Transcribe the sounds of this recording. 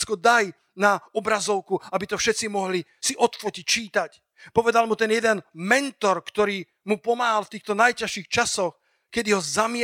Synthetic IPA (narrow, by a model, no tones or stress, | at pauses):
t͡skɔd̪aj | naɔbɾazɔʊkuabit̪ɔfʃɛt͡simɔɦlisiʔɔt̪fɔcic̚t͡ʃiːt̪ac | pɔʋɛd̪almut̪ɛnjɛd̪ɛnmɛnt̪ɔɾkt̪ɔɾiː | mupɔmaːɦalft̪iːxt̪ɔnajcaʃiːxt͡ʃasɔx | kɛd̪iɦɔzamɪ